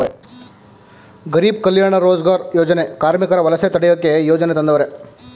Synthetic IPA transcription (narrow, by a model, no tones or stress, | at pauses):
ɡɐɾiːbkɐljaːɳɐɾoːd͡ʒɡaːɾjoːd͡ʒɐnekaːɾmikɐɾɐʋɐlɐset̪ɐɽɛjokːejoːd͡ʒɐnet̪ɐnd̪ɐʋɐɾe